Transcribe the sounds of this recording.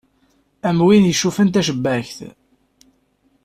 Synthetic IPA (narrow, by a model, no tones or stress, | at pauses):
æmwinjəʃːufənt̪æʃ̬əbːæçθ